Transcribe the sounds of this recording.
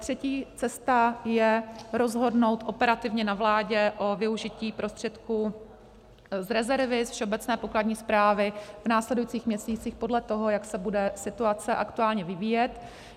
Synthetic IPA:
t̪r̝̥ɛciːtt͡sɛst̪ajɛɾo̞zɦo̞dno̞wt̪ʔo̞pɛɾat̪ɪvɲɛnavlaːɟɛʔo̞vɪuʒɪciːpɾo̞st̪r̝̥ɛt̪ku | zɾɛzɛɾvɪsfʃɛobɛt͡snɛːpo̞kladɲiːspɾaːvɪvnaːslɛdujit͡siːxmɲɛsiːt͡sixpodlɛt̪o̞ɦo̞jaksɛbudɛsɪt̪uat͡sɛʔakt̪uaːlɲɛvɪviːjɛt̪

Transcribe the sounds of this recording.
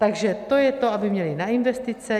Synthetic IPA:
t̪aɡʒɛt̪ojɛt̪oabɪmɲɛlɪnaɪnvɛst̪ɪt͡sɛ

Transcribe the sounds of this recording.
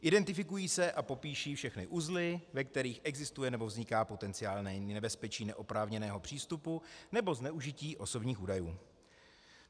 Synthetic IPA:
ʔɪdɛnt̪ɪfɪkujiːsɛʔapo̞piːʃiːfʃɛxnɪʔuzlɪvɛk̚t̪ɛɾiːxʔɛɡzɪst̪ujɛnɛbovzɲɪkaːpo̞t̪ɛnt͡sɪaːlnɛnɛbɛspɛt͡ʃiːnɛʔo̞pɾaːvɲɛnɛːɦo̞pr̥iːst̪upunɛboznɛuʒɪciːʔo̞so̞bɲiːxuːdajuː

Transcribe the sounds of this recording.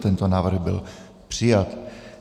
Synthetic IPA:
t̪ɛnt̪onaːvr̩ɣbɪ̰l | pr̝̥ɪjat̪

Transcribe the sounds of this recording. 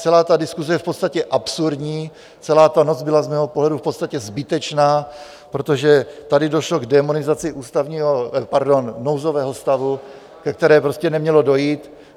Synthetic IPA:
t͡sɛlaːt̪adɪskuzɛjɛfpo̞t̪st̪acɛʔapsuɾdɲiː | t͡sɛlaːt̪ano̞d͡zbɪlazmɛːɦo̞poɦlɛdufpo̞t̪st̪acɛzbɪt̪ɛt͡ʃnaː | pɾo̞t̪o̞ʒɛt̪adɪdo̞ʃlo̞ɡdɛmonɪzat͡sɪʔuːst̪avɲiːɦopaɾdo̞nːowzo̞vɛːɦo̞st̪avu | kɛk̚t̪ɛɾɛːpɾo̞scɛnɛmɲɛlo̞do̞jiːt̪

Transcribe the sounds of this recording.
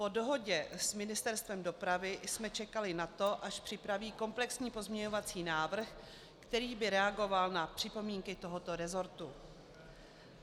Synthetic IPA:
po̞do̞ɦo̞ɟɛsmɪnɪst̪ɛɾst̪vɛmdo̞pɾavɪsmɛt͡ʃɛkalɪnat̪o̞ʔaʃpr̥ɪpɾaviːko̞mplɛksɲiːpo̞zmɲɛɲo̞vat͡siːnaːvr̩x | kt̪ɛɾiːbɪɾɛaɡo̞valnapr̥ɪpo̞miːŋkɪt̪o̞ɦo̞t̪o̞ɾɛzo̞ɾt̪u

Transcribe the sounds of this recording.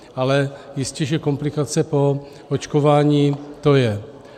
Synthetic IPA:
alɛjɪscɛʒɛko̞mplɪkat͡sɛpo̞ | ot͡ʃkovaːɲiːt̪o̞jɛ

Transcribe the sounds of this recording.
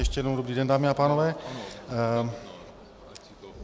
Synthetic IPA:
ɛʃcɛjɛnowdobɾiːdɛndaːmɪapaːnovɛː

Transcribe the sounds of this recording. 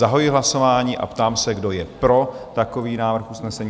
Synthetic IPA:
aɦojɪɦlaso̞vaːɲiːʔa̰pt̪aːmsɛɡdo̞jɛpɾo̞t̪ako̞viːnaːvr̩xusnɛsɛɲː

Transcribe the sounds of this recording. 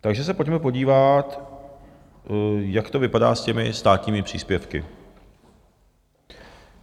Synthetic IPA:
t̪aɡʒɛs̬ɛpo̞cmɛpo̞ɟiːvat̪ | jakt̪o̞vɪpadaːscɛmɪst̪aːt̪ɲiːmɪpr̝̥ḭːspjɛfkɪ̰

